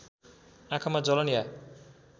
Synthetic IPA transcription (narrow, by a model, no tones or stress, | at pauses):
ãkʰamad͡zʌlʌnija